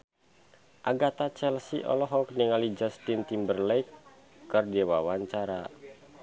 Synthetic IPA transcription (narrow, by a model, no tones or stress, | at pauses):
ʔaɡat̪at͡ʃɛlsḭʔɔ̰lɔɦɔkniŋalid͡ʒast̪int̪imbərlɛikː | ɨrdɛwawaɲt͡ʃaɾa